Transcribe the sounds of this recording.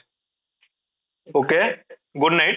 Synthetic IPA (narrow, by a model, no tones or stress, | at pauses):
oːke | ɡʊɖnaɪʈ̚